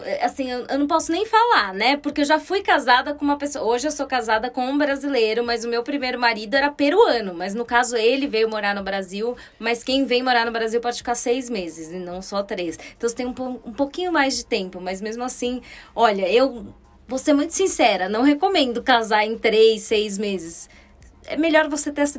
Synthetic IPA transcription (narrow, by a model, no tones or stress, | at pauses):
ɛʔasĩewewnɐ̃w̃pɔsʊnẽj̃falaɾnɛpoɾkeewʒafujkazad̪ɐkõũmɐpesoɐoʒɪewsowkazad̪ɐkõũbɾazilejɾʊmɐjzʊmewpɾimejɾʊmaɾid̪ʊɛɾɐpeɾʊɐ̃nʊmɐjznʊkazʊelɪvejʊmoɾaɾnʊbɾaziw | mɐskẽj̃vẽj̃moɾaɾnʊbɾaziwpɔd͡ʒɪfi̥kaɾsejzmezɪzɪnɐ̃w̃sɔt̪ɾest̪ɐ̃w̃st̪ẽj̃ũpoũpokĩɲʊmajzd͡ʒɪt̪ẽmpʊmɐzmezmʊasĩɔʎɐew | voseɛmũj̃t̪ʊ̥sĩsɛɾɐnɐ̃w̃hekomẽnd̪ʊkazaɾẽj̃t̪ɾesejzmezɪs | ɛ̰meʎɔɾvoset̪eɛs